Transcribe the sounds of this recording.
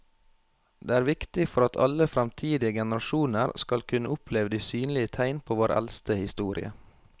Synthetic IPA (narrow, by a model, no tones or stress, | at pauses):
d̪ḛːæːɾʋɪkt̪ɪfɔɾɑt̪ʰɑ̰ləfɾɛmt̪ʰiːd̪ɪəɡɛnəɾɑʃuːnəɾskɑlkʰʉnəʊpʰleːʋəd̪iːsyːnlɪət̪ʰæɪnpʰoːʋoːɾʔæ̰lst̪əhɪst̪uːɾɪ̰ə̰